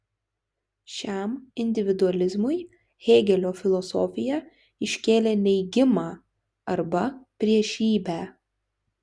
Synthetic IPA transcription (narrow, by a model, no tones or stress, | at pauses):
ʃʲæmɪnʲd̪ʲɪʋʲɪd̪ʊɐlʲɪzmʊɪ | ɣʲeːɡʲɛlʲoːfʲɪlˠɔsɔfʲɪjɛ | ɪʃʲkʲeːlʲeːnʲɛɪɡʲɪmɑː | ɐɾbɐpʲɾʲiɛʃʲiːbʲæː